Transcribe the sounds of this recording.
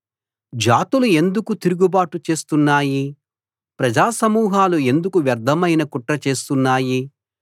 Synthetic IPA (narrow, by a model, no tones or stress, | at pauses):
d͡ʒaːt̪ulue̞nd̪ukut̪iɾuɡubaːʈut͡ʃe̞ːst̪unːaːji | pɾɐd͡ʒaːsɐmuːɦaːlue̞nd̪ukuʋjɐɾd̪ʱɐmɐjnɐkuʈɾɐt͡ʃe̞ːst̪unːaːji